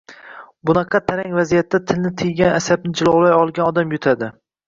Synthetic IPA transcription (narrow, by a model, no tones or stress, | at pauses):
bʊnɑqʰɑt̪ʰaɾaŋʲvazijat̪ʰːat̪ʰɪlnɪt̪ʰɪjɡʲanasab̚nɪd͡ʒɪlˠɒwlajɒlˠɡʲanɒd̪amjʊt̪ʰad̪ɪ